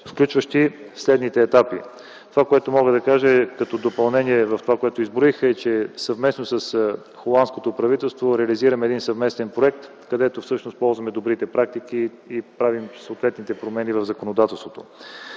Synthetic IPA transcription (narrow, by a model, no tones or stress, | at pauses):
fklʲut͡ʃvəʃt̪i | fslɛd̪nit̪ɛːt̪apḭ | t̪ovakoɛt̪omɔɡəd̪ɐkaʒəkɐt̪ɔd̪opɐlˠnɛniɛvɐft̪ovakoɛt̪oizbɾixəɛt͡ʃɛsɐvmɛsnosɐs | xolˠanskot̪opɾɐvit̪ɛlˠst̪voɾɛɐliziɾɐmɛd̪insɐvmɛst̪ɛnpɾoɛk̚t̪ | kɐd̪ɛt̪ofsɤʃnos̚pɔlˠzvɐmɛd̪obɾit̪ɛpɾak̚t̪ikiː | pɾavimsɐot̪vɛt̪nit̪ɛpɾomɛnivɐvzɐkonod̪at̪ɛlˠst̪vot̪o